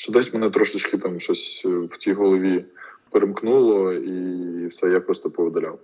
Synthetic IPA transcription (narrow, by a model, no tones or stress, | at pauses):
ʃt͡ʃɛd̪ɛsʲmenɛt̪ɾɔʃɪt͡ʃkɪt̪ɑmʃɔsʲwtʲijɦɔlˠɔʋʲipeɾemknulˠɔiwsɛjapɾɔst̪ɔpɔʋed̪ɐlʲaw